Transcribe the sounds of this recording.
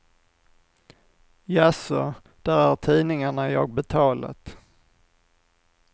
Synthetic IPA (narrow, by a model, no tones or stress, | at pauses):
jasɔ | d̪̥æɾæɾt̪ʰiːnɪŋaɳajɑ̰ːɡ̚bɛt̪ʰɑːla̰t̪